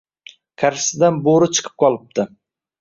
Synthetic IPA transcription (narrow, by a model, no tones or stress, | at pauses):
kʲʰaɾsɪd̪anboɾɪt͡ʃʰɨ̥qʰɨ̥p̚qʰɒlˠɪp̚d̪ɪ